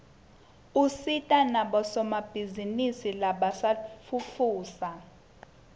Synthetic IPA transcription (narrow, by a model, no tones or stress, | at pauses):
usitʼanaɓɔsɔmab̥ʱizinisilaɓasafʰufuːsa